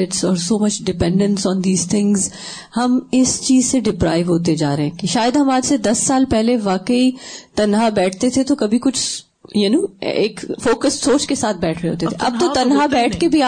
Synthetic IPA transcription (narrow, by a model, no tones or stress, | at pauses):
ɪʈsɔːɾsoːmɐt͡ʃɖɪpɛ̃ɳɖə̃ɳsɔ̃ːnd̪iːzt̪ʰɪ̃ŋɡz | hɐmɪst͡ʃiːzseɖɪpɾaːɪʋɦoːt̪ed͡ʒaːɾeɦɛ̃kiʃaːjəd̪ɦɐmaːd͡ʒsed̪ɐsːaːlpɛɦleʋaːkəit̪ɐnɦabɛːʈʰt̪et̪ʰet̪okɐbʱikʊt͡ʃʰ | jnũːḛːkfoːkəsʈsoːɾt͡ʃkesaːt̪̚ʰbɛːʈʰɾɐɦeɦoːt̪et̪ʰeʔɐb̚t̪ot̪ɐnɦabɛːʈʰkebʱiaː